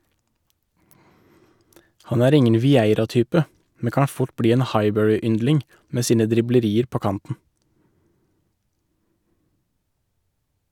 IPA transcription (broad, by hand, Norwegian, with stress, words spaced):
ˈhɑn ˈæːɾ ˈɪŋən ʋɪˈæɪɾɑˌtyːpə ˈmɛ ˈkɑː ˈfʊʈ ˈbɽiː ˈeːn ˈhɑɪˌbœɹɪˌʏndlɪŋ ˈmeː ˈsiːnə dɾɪbləˈɾiːəɾ ˈpoː ˈkɑntn̩